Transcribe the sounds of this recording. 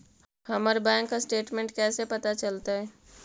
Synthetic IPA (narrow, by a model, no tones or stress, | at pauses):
həməɾbɛ̃ːŋkːasʈeːʈmẽɳʈkɛːsepət̪at͡ʃəlt̪aɦɛː